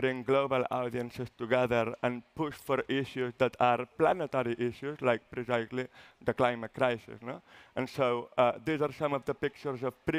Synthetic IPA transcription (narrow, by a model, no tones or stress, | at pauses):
bɾɪ̃ŋɡlobəlˠa̰ʊd̪iə̃nsɪst̪uɡɛðəɾə̃npuʃfɔɾɪʃjuzðət̪ʰaɾplanət̪əɾiʔɪʃuzlajk̚pɾɛsazliðəklajmət̚kɾajsɪ̰snoə̃nsoʊʌd̪izaɾsʌ̃mɔvd̪əpɪk̚t͡ʃəɾzɔfpɾi